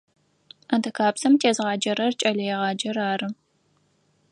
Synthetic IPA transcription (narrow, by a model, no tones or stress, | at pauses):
ɐntʰɐkʰaːpsɐmtʰeːzʁɑːd͡ʒɐɾɐrt͡ʃʼɐlɐjɛʁɑːd͡ʒɐɾaːɾɨ